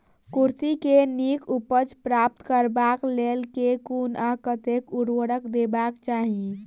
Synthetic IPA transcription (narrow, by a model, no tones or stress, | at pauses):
kuɾt̪ikenikupət͡ʃpɾap̚t̪kəɾbaklelkekunakət̪ekuɾwəɽəkd̪ebakt͡ʃaɦi